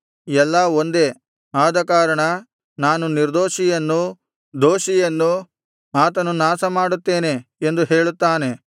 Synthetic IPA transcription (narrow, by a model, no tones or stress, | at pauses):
ɛlːɐo̞nd̪e̞ | aːd̪ɐkaːɾɐɳɐ | naːnuniɾd̪oːʃijɐnːu | d̪o̞ːʃijɐnːu | aːt̪ɐnunaːsɐmaːɽut̪ːe̞ːne̞end̪uɦe̞ːɭut̪ːaːne̞